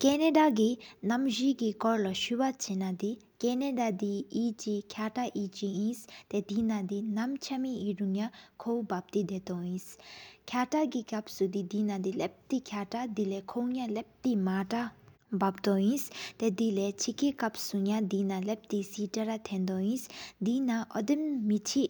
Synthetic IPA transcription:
keːneɖaɡinɐmd͡ʒiɡikɔɾlɔʃuwat͡ʃinad̪i | keneɖad̪iiːt͡ʃikʰjaːʈaʔit͡ʃiĩst̪ed̪inad̪inɐmt͡ʃʰɐmiiɾuŋjakʰowbab̚t̪id̪et̪oĩskʰjaːʈaɡikɐpsud̪id̪inad̪ilɛp̚t̪ikʰjaːʈad̪ilekʰowŋjalɛp̚t̪imaːʈababt̪ɔĩst̪ɛd̪ilet͡ʃʰikikɐpsuŋjad̪inalɛp̚t̪isiʈɐɾat̪ʰɛ̃nd̪oĩsd̪inaʔɔd̪imːit͡ʃʰi

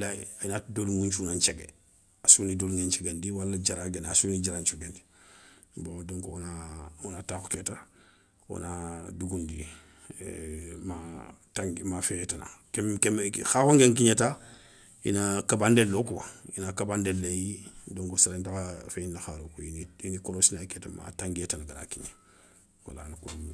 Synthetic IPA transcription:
la̰ainadoluŋuɲt͡ʃunaɲt͡ʃeɡḛ | asunidoluŋeɲt͡ʃeɡendiwalːad͡ʒaɾaɡenasunid͡ʒaɾaɲt͡ʃuɡendi̥ | bodoŋkonaonataːko̥keta | o̰naduɡundḭ | mataŋɡmafetana̰kemkemxakoŋɡeŋkiɲeta | ḭnakabandelːokuwa̰inakabandellejidoŋkusaɾentaafeinːaxaɾokuiinikoɾosinaketama̰tãŋɡietanaɡaɾa̰kiɲe | wa̰la̰naku

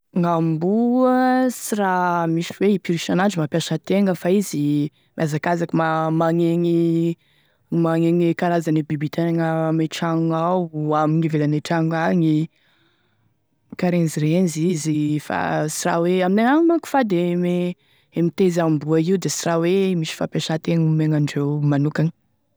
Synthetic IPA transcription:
ŋambuəsiramisiweipiɾiʃananɳɖ͡ʐimapjaʃət̪eŋəfaizi | miazakazakumamaŋeŋi | maŋeŋikaɾazanibibit̪ʰeaŋəmeʈ͡ʂaŋawamiɲivelaneʈ͡ʂaŋaŋi | kaɾenizirenizizifa̰sira̰weamineŋaŋmaku̥fad̪eme | emit̪ezambuaiud̪esirawemiʃi̥fapaʃat̪eŋumeŋaɳɖ͡ʐewmanukanə̥

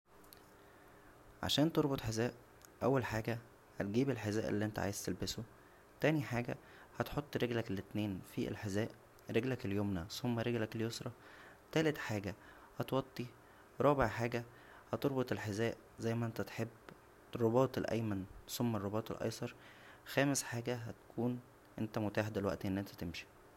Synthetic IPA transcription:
ʕa̰ʃæːnt̪oɾˤbot̪ˤħezæːʔ | ʔæwːælħaːɡæ | hæt̪̚ɡiːbelħezæːʔḛlːiʔent̪æ̰ʕa̰jez̥t̪elbeso | t̪æːniħaːɡæ̰ | hæt̪ħot̪ˤːɾeɡlæklet̪neːnfiḛlħezæːʔ | ɾeɡlækeljoːmnæsomːæɾeɡlækeljosɾˤɑ | t̪æːlet̪ħaːɡæ | hɑt̪wɑt̪ˤːi | ɾˤɑːbeʕħaːɡæ | hæt̪oɾˤbot̪ˤelħezæːʔ | zæjːmæʔent̪æt̪ħebː | rˤːobɑːt̪ˤelʔæ̰jmænsomːærˤːobɑːt̪ˤḛlʔɑ̰jsˤɑɾˤ | xæːmesħaːɡæɦæt̪kʰuːn | ʔent̪æmot̪aːħd̪elwæʔt̪iʔenːʔent̪æt̪emʃi̥

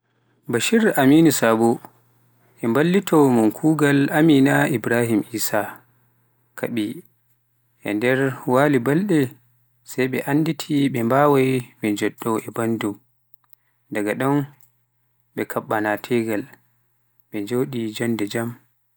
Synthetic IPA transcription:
baʃiɾaminisabu | ʔɛmbalːitʰɔmunkʰuːɡalaminaʔibɾahimʔiːsa | kʰaɓi | ʔɛ̰ndɛɾwalibalɗɛ | sajɓɛ̰ʔanːditʰiɓɛmbawajɓɛd͡ʒɔɗːɔʔɛbandum | daɡaɗɔn | ɓɛkʰaɓːanatʰɛɡal | ɓɛd͡ʒoːɗid͡ʒɔndɛd͡ʒam

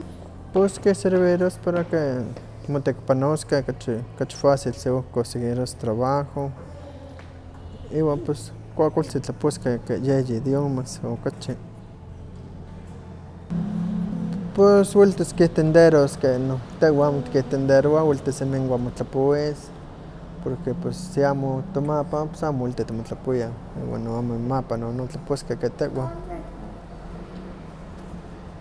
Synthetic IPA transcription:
poskehseɾβiɾospaɾake | mot̪ekpanoskekat͡ʃkat͡ʃfasilseohkoseɡiɾost̪ɾaβaxo | iːwanpes | kʷakʷalt͡sit͡ɬaposkekejejid̪jomasokat͡ʃi | poswilt̪eskit̪end̪eɾoskenot̪eʔwaamot̪i̥kiht̪end̪eɾoawilt̪esemiŋwamot͡ɬapowis | poɾkepesːiamot̪omapapo̥samowilt̪it̪imot͡ɬapoja | ḭwa̰nːoamomapanonot͡ɬaposkeket̪eʔwa

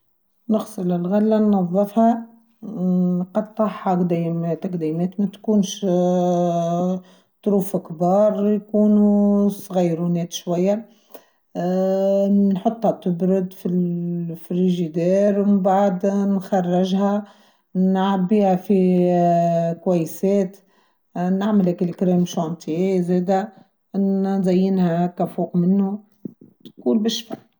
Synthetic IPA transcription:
nəɣsˤɨlɪlɣælːanːɑðˤːɨfhɑ | qɑd̪t̪ˤːɑħːɑd̪imet̪aqd̪iːmeːt̪mæt̪kuːnʃ | t̪ˤɾuːfɪkbɑːɾˤjkuːnusˤɣijːɾunɛːt̪ʃwajːa | nħot̪ˤːhat̪ʊbɾʊd̪filfɾiʒid̪eːɾwmmbaʕd̪nxarˤːɪʒha | nʕabːiːhafi | kwajːseːt̪ | naʕmɪlakɪlkɾeːmʃant̪ˤʰijezeːd̪a | ʔnnzajːɪnhakafuːʔmɪnːu | t̪kuːlbɪʃba

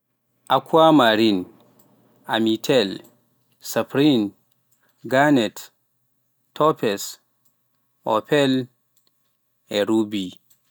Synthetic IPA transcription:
ʔakʰuamaɾin | amitʰɛl | sapɾin | ɡanɛt | tʰːɔpɛs | ʔɔpɛl | ɛɾubi

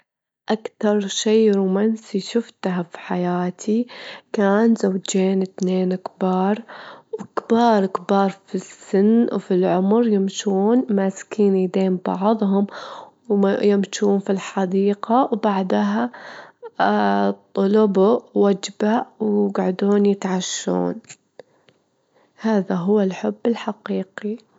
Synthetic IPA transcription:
ʔakt̪ɑɾˤʃeːɾuːmansijʃʊft̪ɦafi̥ħajaːt̪ʰikaːnzawːd͡ʒeːnɪt̪neːnɪkbɑːɾˤwɪkbɑːɾˤkbɑːɾˤfisːɪnːwfilʕʊmɾjɪmʃuːnmaskiːnid̪eːmbɑ̰ʕðˤɦʊm | jɪmʃuːnfilħad̪iːqawbaʕd̪aɦa | t̪ˤːʊlʊbʊːad͡ʒbawɡaʕd̪uːnjɪt̪ʕaʃːṵːn | haːðaɦʊwːalħʊbːɪlħaqiːqi

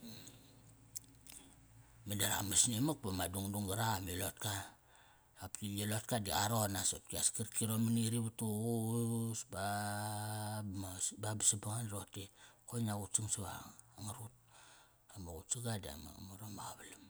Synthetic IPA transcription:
madaɾa̰masnimak̚pamaduŋduŋɡaɾamilotka | aptielotkadia̰ɾonasotkiaskiɾkiɾomaniɾiβutuɣusba | babisibaŋanɾotekonaɡutsiŋsaβa̰aŋaɾut̚ | amoɣutsiɡadia̰ma̰moɾomaɣaβalam

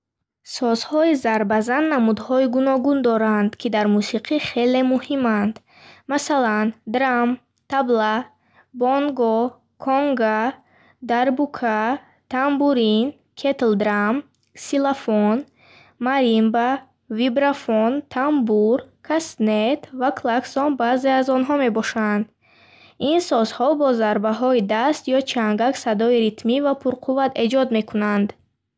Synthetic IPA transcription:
sɔzhɔizaɾbazanːamud̪hɔiɡunɔɡund̪ɔɾand̪kʰid̪aɾmusiqʰiχe̞le̞muhimand̪ | masaland̪ɾam | t̪ʰabla | boŋɡɔ | kʰoŋɡa | d̪aɾbukʰa | t̪ʰambuɾin | kʰet̪ld̪ɾam | silafon | maɾimba | vibɾafont̪ʰambuɾkʰast̪net̪vakʰlaksɔnbazeazɔnɦɔme̞bɔʃand̪ | insɔzhɔbɔzaɾbaɦɔid̪ast̪jɔt͡ʃʰaŋɡaksad̪ɔiɾit̪mivapʰuɾqʰuvat̪ʰe̞d͡ʒɔd̪me̞kʰunand̪

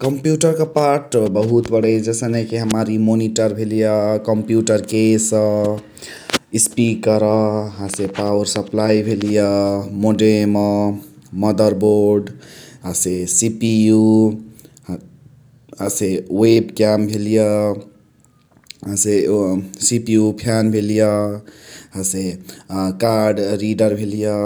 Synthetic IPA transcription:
kəmpjuʈəɾkepaɾʈbəɦut̪bəɽəd͡ʒesənekiɦəmaɾimoniʈəɾbʱelijəkəmpjuʈəɾkesə̃ | ispikːəɾɔɦasepawəɾsəplajibʱelijəmoɖemɔməd̪əɾboɾɖɦasesipiu | ɦasewebkjambʱelijɔ | ɦãsesipijupʰjanbʱelijɔ | ɦase | kaɾɖɾiɖəɾbʱelijɔ

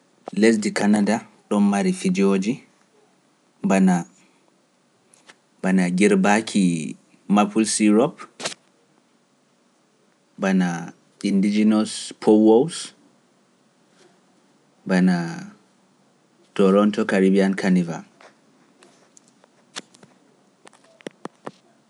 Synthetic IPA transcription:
les̬dikanada | ɗɔmːaɾifid͡ʒoːd͡ʒi | bana | banaɡiɾbakʰi | mapulsiɾɔp | bana | indid͡ʒinɔspʰowɔws | bana | tɔɾɔntɔkaɾibiankʰaniva̰

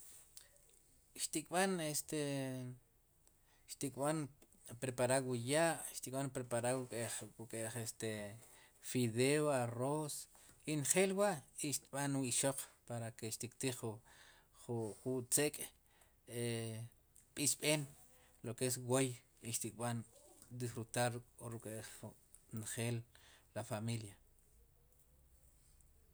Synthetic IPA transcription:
ʃt̪ikʼɓanest̪e | ʃt̪ikʼɓan | pɾepaɾawujaːʔʃt̪ikʼɓanpɾepaɾaukʼeukʼeʔχest̪e | fiðeoaros | inχeːlwaʔiʃt̪ɓanwiʃoq͡χpaɾakeʃt̪ikt̪iχu | χχut͡sekʼ | e | pʼisɓeːn | lokees̬woj | iʃt̪ikʼɓand̪isɾut̪aɾʼoɾukʼeʔ | nχeːlːafamilja

